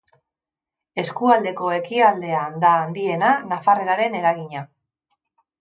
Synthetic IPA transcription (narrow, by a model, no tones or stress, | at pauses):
e̞skuald̪e̞ko̞e̞kiald̪e̞and̪aːnd̪ie̞nanafare̞ɾaɾe̞ne̞ɾaɣiɲa